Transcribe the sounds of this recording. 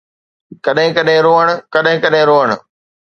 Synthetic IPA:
kɐɗɦɪ̃kɐɗɦɪ̃ɾoːəɽ̃ʊ̆kɐɗɦɪ̃kɐɗɦɪ̃ɾoːəɽ̃ʊ

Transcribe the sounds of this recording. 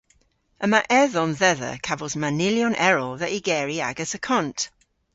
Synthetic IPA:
əmaʔɛðɔ̃nðɛðə̰kʰavəlˠzmanɪljɔ̃nʔɛɹəlˠðəʔiɡɛːɹia̰ɡəzəkʰɔ̃nt

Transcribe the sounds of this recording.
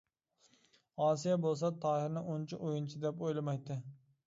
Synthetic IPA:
ɒs̬ijabolˠs̬at̪ʰɑhɪɾnɪʊnt͡ʃʰɪʔojɪnt͡ʃʰɪd̪epojlˠamajd̪ɪ

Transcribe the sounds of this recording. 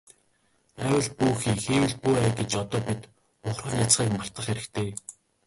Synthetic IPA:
æwʲə̆ɮpuːxiːxeːwɘ̆ɮpuæɡet͡ɕɔt̪ɔːpit̪ | ʊχrχə̆ːnʲat͡sχiːkmar̥t̪ə̆χeɾɘ̆kt̪ʰeː

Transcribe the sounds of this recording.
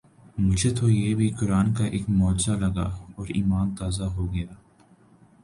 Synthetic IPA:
mʊd͡ʒʱet̪ojeːbʱikʊɾaːnkaʔeːkmɔːd͡ʒzalɐɡa̰ɔːɾḭːmaːnt̪aːzaɦoɡɐjaː

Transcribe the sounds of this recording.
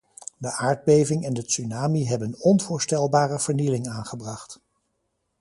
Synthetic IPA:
dəʔaːɹd̚bejvɪŋɛndəsynaːmiɦɛbənɔnvʊːɹstɛlˠbaːrəv̥əɹnilɪŋaːnχəbrɑχt

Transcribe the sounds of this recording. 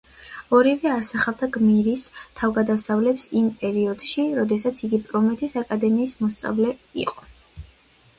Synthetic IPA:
ɔɾivɛasaχavd̪aɡmiɾist̪ʰavɡad̪asavlɛpsimpʼɛɾiɔd̪̥ʃiɾɔd̪ɛsat̪sʰiɡipʼɾɔmɛt̪ʰʼisakʼad̪ɛmiːsmɔst̪sʼa̰vlɛḭqʼɔ̥

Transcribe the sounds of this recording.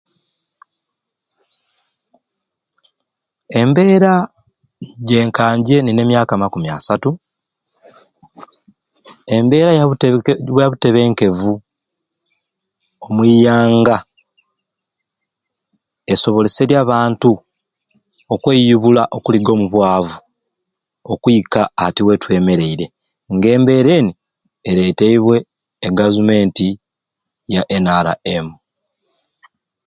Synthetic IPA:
e̞mbe̞ːɾa | ɟe̞ːŋkaːɲɟe̞nine̞mjaːkamakumia̰satu | e̞mbe̞ːɾa | βwaβute̞βeːŋke̞vu | omwiːjaːŋɡa | e̞so̞βo̞lese̞ɾjaːβaːntu | okwejuβulaʔo̞kuliɡo̞ːmuβwaːvu | okuikaːtiwe̞twe̞ːme̞ɾe̞iɾe̞ | ŋɡe̞ːmbe̞ɾe̞ːni | eɾe̞ːteiβwe̞ː | ɡavume̞ːnti | jaʔenaːla̰emu

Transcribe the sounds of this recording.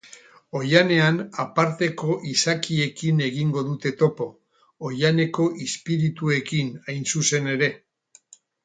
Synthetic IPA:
o̞jane̞anapaɾt̪e̞ko̞ʔisakie̞kine̞ɣ̞iŋɡo̞ðut̪e̞t̪o̞po̞ː | jane̞ko̞ʔispiɾit̪ue̞kinajnsuse̞ne̞ɾe̞

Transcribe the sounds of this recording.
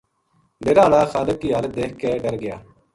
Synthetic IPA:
ɖeːɾaːlaːxaːləkːiːɦaːl̚d̪eːkkːeːɖəɾɡɪja̰ː

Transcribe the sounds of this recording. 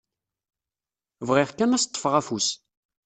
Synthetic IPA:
vʁɪʁkːænæst̪ˤːəfʁæfus

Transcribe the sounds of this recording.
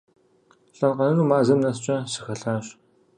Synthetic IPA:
ɬʼɐnqɐnɐnuːmaːzɐmnɐst͡ʃʼɐɕɨ̥xɐɬaːɕ

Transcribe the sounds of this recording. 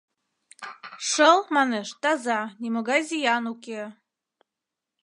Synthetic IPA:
ʃəlˠmɑneʃt̪ɑzɑnʲimoɣɑjzʲijɑnuke

